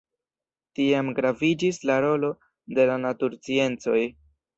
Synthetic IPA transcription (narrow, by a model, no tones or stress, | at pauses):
tiamɡɾavid͡ʒislaɾo̞lo̞ | de̞lanatuɾt͡sie̞nt͡so̞j